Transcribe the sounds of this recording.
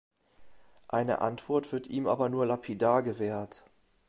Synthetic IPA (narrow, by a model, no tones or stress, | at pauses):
ʔaɪnə̰ʔa̰ntv̥ɔɐtv̥ɪɐtʔiːmʔa̰ːbɐnuːɐlapʰidaːɡəvɛːɐt